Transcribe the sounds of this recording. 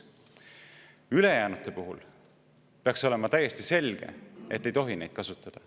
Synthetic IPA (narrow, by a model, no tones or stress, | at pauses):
yle̞jæːnut̪ːˑe̞puɦṵl | peɑkso̞le̞mɑt̪æje̞st̪ise̞lʲɡ̥e̞̰e̞t̪ːe̞jt̪o̞ɦine̞jd̪̥kɑsut̪ːˑɑd̪̥ɑ